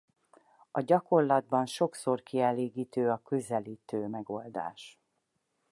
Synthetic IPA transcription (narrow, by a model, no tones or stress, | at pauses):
ɒɟɒko̞rlɒd̪̚bɒnʃo̞kso̞rkiɛleːɡiːt̪øːɒkøzɛliːt̪øːmɛɡo̞ld̪a̰ːʃ